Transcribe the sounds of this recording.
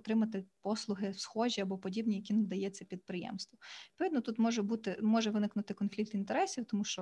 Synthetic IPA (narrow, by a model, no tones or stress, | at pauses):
t̪ɾɪmɐt̪ɪpɔslˠʊɦɪwsxɔʒʲiɐbɔpɔdʲibnʲijɐkʲinɐd̪ɐjɛt͡sʲːɐpʲid̪̚pɾɪjɛ̰mst̪ʋɔpʋɪd̪nɔt̪ut̪mɔʒɛbut̪ɪmɔʒɛʋɪnɪknʊt̪ɪkɔnfʲlʲik̚t̪int̪eɾɛsʲiwt̪ɔmuʃt͡ʃɔ